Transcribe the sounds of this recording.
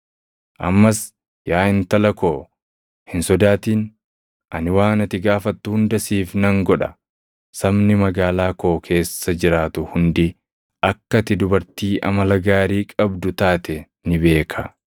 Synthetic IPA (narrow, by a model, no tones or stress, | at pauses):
ʔɐ̰mːɐs | jaːɪnt̪ɐlɐkoː | hɪnsɔd̪aːt̪iːn | ʔɐnɪwaːnɐt̪ɪɡaːfɐt̪ːʊhʊnd̪ɐsiːfnɐŋɡɔᶑɐ | sɐbnɪmɐɡaːlaːkoːkʰe̞ːsːɐd͡ʒɪɾaːt̪ʊhʊnd̪ɪ | ʔɐkːɐt̪ɪd̪ʊbɐɾt̪iːʔɐ̰mɐlɐɡaːɾiːkʼɐbd̪ʊt̪aːt̪ɛ | nɪbe̞ːkʰɐ